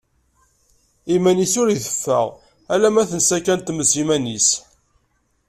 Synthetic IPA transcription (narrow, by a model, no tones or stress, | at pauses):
imænisʊɾiθə̥fːə̰ʁ | ælæmæθənsækænt̪məsimænis